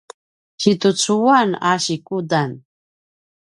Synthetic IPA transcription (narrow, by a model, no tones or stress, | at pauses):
ɕit̪ut͡suanaɕikudan